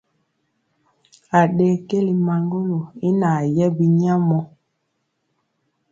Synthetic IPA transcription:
a˨ɗe˨ke˦li˨ma˨ŋɡo˦lo˨i˦na˨jɛ˦bi˦ɲa˦mɔ˦

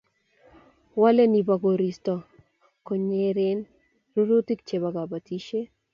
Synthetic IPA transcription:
wa˦le˦ni˨ba˨ɡo˨ɾi˨stɔ˨ | ko˨ɲe˦ɾɪ˦n | ɾu˦ɾu˦ti˦kt͡ʃe˨βa˨ɡa˨ba˨ti˦ʃe˦

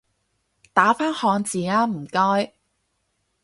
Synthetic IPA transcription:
t̪aː˨˥faː˥nhɔː˨˧ŋt͡siː˨ŋaː˥m̩˨˩kɔː˥j

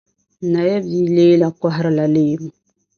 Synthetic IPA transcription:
na˨ja˦bi˨˦leː˦la˨ka˦ɦɪ˦ɾɨ˦la˨leː˦bu˦

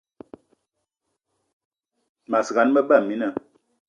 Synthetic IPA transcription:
ma˨sɣa˨˦nmə˦ba˦˨mi˨˦nə˨

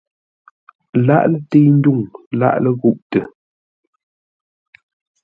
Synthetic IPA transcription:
la̰˦ʔlə˦te˦n̩˦du˦˨ŋla̰˦ʔlə˦ɣu˦ʔtə˨

